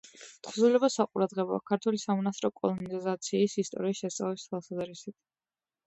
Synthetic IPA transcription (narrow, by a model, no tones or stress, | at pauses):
t̪χzulɛbasaqʼuɾad̪ʁɛbɔ̰a̰kʰaɾt̪ʰwulisamɔnasʼɾɔkʼɔlˠɔnizat̪sʰiːsist̪ʼɔ̰ɾiːsʃɛst̪sʼa̰vlɛst̪ʰwalˠsazɾisit̪ʰ